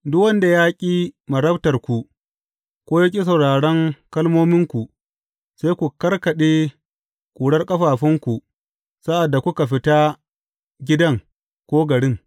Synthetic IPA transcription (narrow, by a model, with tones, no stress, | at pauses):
dʊ˦kwɐ˦nda˨jaː˦kʲʼiː˦mɐ˨ɾɐ˦btɐ˨rkʷu˨ | kʷoː˦ja˦k̬ʲʼi˦s̬ɐ˨wɽaː˨ɽɐ˦ŋkɐ˦lmoː˦mɪ˦ŋkʷu˨ʔ | seː˦kʷu˨kɐ˦rkɐ˨ɗeː˦ | kʼuː˨ɽɐ˦rkʼɐ˦ɸaː˨ɸɪ˦ŋkʷu˨ | sa˦ʔa˨dːa˨kʷʊ˦ka˨ɸɪ˦ta˦ | ɡʲɪ˦dɐ˦ŋ | kʷoː˦ɡɐ˨ɽɪ˦ŋ